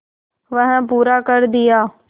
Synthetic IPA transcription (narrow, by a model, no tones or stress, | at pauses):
ʋɐ̃ɦə̃puːɾakəɾd̪ɪjaː